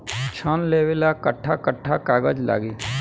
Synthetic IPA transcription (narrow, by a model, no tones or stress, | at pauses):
t͡ʃʰanleːʋɪlakəʈʰːakəʈʰːakaːɡəd͡ʒla̰ːɡi